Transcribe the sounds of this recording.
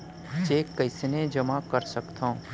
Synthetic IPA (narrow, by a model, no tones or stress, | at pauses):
t͡ʃeːkːɐɪsnẽd͡ʒɐmakəɾsəkt̪ʰã